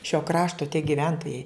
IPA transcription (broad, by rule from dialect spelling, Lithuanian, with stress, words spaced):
ʃʲoː ˈkrɑːʃtoː tʲiɛ ɡʲɪˈʋʲɛntoːjɛɪ